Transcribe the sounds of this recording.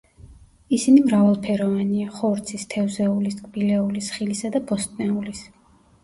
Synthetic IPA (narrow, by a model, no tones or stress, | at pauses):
isinimɾavalˠpʰɛɾɔvaniaχɔɾt̪sʰist̪ʰɛvzɛuliskʼbilɛulisχilisad̪abɔst̪ʼnɛulis